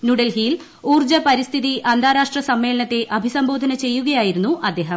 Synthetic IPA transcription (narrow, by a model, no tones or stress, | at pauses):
nuɽɐlɦiːl | uːrd͡ʑɐpɐɾist̪ʰiðiʔɐnd̪ʱaːɾaːʂʈrɐsɐmːe̞ːlɐɳɐt̪ːe̞ʔɐbʱisɐmbo̞ːd̪ʱɐnɐt͡ɕe̞jːuɣɐjaːjiɾunːuʔɐd̪ːe̞ːɦɐm